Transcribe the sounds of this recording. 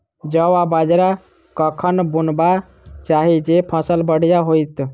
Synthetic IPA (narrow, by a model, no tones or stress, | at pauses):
d͡ʒəwabad͡ʒɾa | kəkʰənbunba | t͡ʃaɦid͡ʒepʰəsəlbəɽ̤ijaɦojt̪